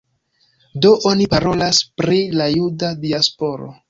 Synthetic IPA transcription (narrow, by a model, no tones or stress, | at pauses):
do̞ʔo̞nipaɾo̞laspɾilajudadiaspo̞ɾo̰